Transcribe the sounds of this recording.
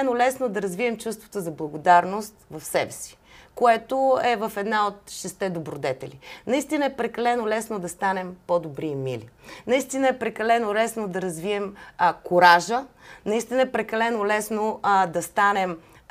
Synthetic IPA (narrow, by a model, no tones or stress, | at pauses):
ɛnolɛsnod̪ɐɾɐzviɛmt͡ʃust̪vo̥t̪ozɐblˠɐɡod̪aɾnost̪vɐfsɛbɛsi̥koɛt̪oɛvɐfɛd̪naot̪ʃɛst̪ɛd̪obɾod̪ɛt̪ɛlinɐist̪inəɛpɾɛkɐlɛnolɛsnod̪ɐst̪anɛmpod̪obɾimḭlḭnɐist̪inəɛpɾɛkɐlɛnolɛsnod̪ɐɾɐzviɛmkoɾaʒənɐist̪inəɛpɾɛkɐlɛnolɛsnod̪ɐst̪anɛm